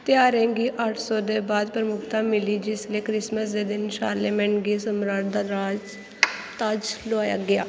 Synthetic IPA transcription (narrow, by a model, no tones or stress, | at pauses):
t̪ɪjaːɾẽːɡiːʔəʈʰsɔːd̪eːbaːd̪pɾəmʊkʰt̪ãːmɪliːd͡ʒɪsleːkɾɪsməsd̪eːd̪ɪnʃa̰ːɾleːmɛ̃ːɳɡeːsəmɾaːʈd̪aːɾaːd͡ʒ | t̪ad͡ʒlʊaːja̰ːɡɪja̰ː